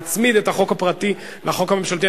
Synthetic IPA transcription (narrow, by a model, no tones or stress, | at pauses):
t͡smid̪et̪haχo̞khapʁat̪i | laχo̞khame̞mʃalt̪̬i